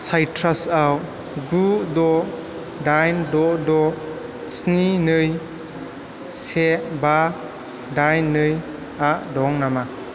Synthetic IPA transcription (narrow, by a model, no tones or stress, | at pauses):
sajtʰɾasaw | ɡudɔ | dajndɔdɔ | sninɯj | seba | dajnːɯj | aʔdɔŋnama